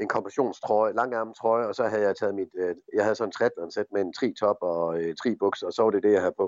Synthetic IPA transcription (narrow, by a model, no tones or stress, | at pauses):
e̝nkʰɒ̽mpʰʁæɕo̝̰ːnst͡sʰʁɔɪəlɑ̈ŋ̰æɐmn̩t͡sʰʁɒɪəɒ̽sɒ̽ɦæð̩ˠjɑ̈ɪt͡sʰɛːð̞̩ˠmid̥jɑ̈ɪhæð̞ˠsɒ̽nt͡sʰʁɛd̥lænsed̥̚meent͡sʰʁḭːt͡sʰɒ̽b̥ɒ̽t͡sʰʁḭːb̥ɔɡ̥sɒ̽sɒ̽ʋɑ̈ɾ̥e̝d̥e̝jɑ̈ɪhæðˠpʰɔ̽